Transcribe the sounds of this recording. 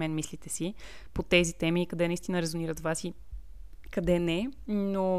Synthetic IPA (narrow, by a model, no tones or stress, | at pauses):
mɛnmislit̪ɛsi | pot̪ɛzit̪ɛmiːkɐd̪ɛnəist̪inəɾɛzoniɾət̪vasi | kɐd̪ɛnɛno